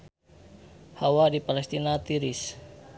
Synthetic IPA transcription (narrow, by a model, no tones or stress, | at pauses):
hawadipalɛst̪inat̪iɾɪs